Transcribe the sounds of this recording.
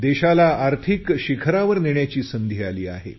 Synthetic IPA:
d̪eɕalaaɾt̪ʰikɕikʰɾaʋəɾniɳjat͡ɕiːsənd̪ʱiːaliːa̰ɦḛ

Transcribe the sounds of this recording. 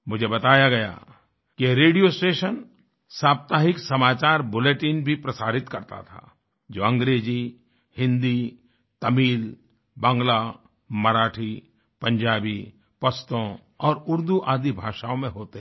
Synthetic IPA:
mʊd͡ʒʱebɐt̪aːjaɡɐja̰ | kiɾeːɖijosʈeːʃən | saːb̚t̪aːɦɪksɐmaːt͡ʃaːɾbʊleːʈiːnbʱipɾɐsaːɾɪt̪kɐɾt̪a̰t̪ʰa̰ː | d͡ʒoːɐ̃ŋɡɾeːd͡ʒi | hɪ̃nd̪i | t̪ɐmiːl | bɐ̃ŋɡla | mɐɾaːʈʰi | pɐ̃ɲd͡ʒaːbi | pɐst̪õ | ɔːɾʊɾd̪uʔaːd̪ibʱaːʃaːõmẽɦoːt̪eɦ

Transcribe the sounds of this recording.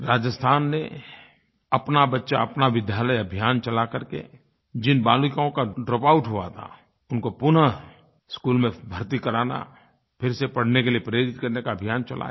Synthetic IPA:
ɾaːd͡ʒəst̪ʰaːnːḛ | ɐpnabɐtːʃaɐpnaʋɪd̪ʱjaːləjɐbʱijaːnt͡ʃɐlakəɾkḛ | d͡ʒɪnbaːlʊkõkaɖɾoːpaːʊʈɦʊa̰t̪ʰa̰ | ʊnkopʊnə | skuːlmẽbʱəɾt̪ikɐɾaːna̰ | pʰɪɾsepɐɽ̤nekeliepɾeːɾɪt̪kɐɾnekaəbʱijaːnt͡ʃɐla̰

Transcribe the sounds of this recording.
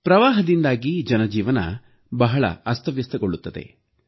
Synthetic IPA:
pɾɐʋaːɦɐd̪ind̪aːɡid͡ʒɐnɐd͡ʒiːʋɐnɐ̰ | bɐɦɐɭɐ̰ɐst̪ɐʋjɐst̪ɐɡoɭːut̪ːɐd̪e̞̰

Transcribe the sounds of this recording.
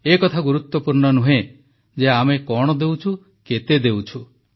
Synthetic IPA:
ekɔt̪ʰaɡuɾut̪wɔpuɾɳɔnuɦe | d͡ʒeamekɔɽ̃ɔd̪ewt͡ʃʰu | ket̪ed̪ewt͡ʃʰu

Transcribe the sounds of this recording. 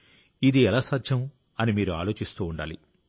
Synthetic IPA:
id̪iɛlaːsaːd̪ʱʒɐm | ɐnimiːɾuaːlo̞ːt͡ʃist̪uːɳɖa̰ːlḭ

